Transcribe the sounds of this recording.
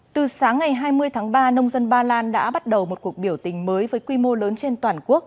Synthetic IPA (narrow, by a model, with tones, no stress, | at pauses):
t̪ɨ˨˩saː˨˦ŋːa˨˩jɦaː˧jmɨ˧əjt̪ʰaː˨˦ŋɓaː˧nə˧wŋ͡mzə˧nɓaː˧laː˧nɗa̰ː˧˥ɓa˦˥t̚ɗə˨˩wmo˨˩t̚ku˨˩ək̚ɓi˧˩əwt̪ï˨˩ŋ̟məː˨˦jvəː˨˦jkwi˧mo˧ləː˨˦nt͡ɕe˧nt̪waː˨˩nku˦˥ək̚